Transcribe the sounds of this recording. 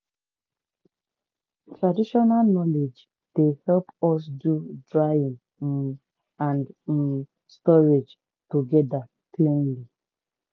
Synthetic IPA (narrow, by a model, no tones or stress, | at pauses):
tɹadiʃɔnalnɔled͡ʒ | d̥ehɛlpɔs̬dudɹaĩŋ̩ | ãnd̩ | stɔɹed͡ʒ | toɡɛda | klẽnli